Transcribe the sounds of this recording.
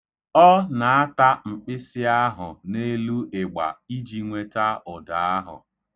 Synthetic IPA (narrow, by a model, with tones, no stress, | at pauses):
ɔ˦na˨a˦ta˦ŋ͡m̩˨k͡pɪ˦sɪ˦a˦ɦʊ˨ne˦lu˦ʔɪ˨ɡ͡ba̰˨i˦d͡ʒi˨ŋʷe˦ta˦ʊ˨da˨a˦ɦʊ̰˨